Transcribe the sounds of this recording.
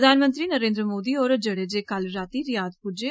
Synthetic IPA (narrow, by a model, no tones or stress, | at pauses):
d̪ʱaːnmə̃nt̪ɾiːnəɾẽːnd̪ɾəmoːd̪iːoːɾd͡ʒəɽeːd͡ʒeːkalɾaːt̪iːɾɪjaːd̪pud͡ʒe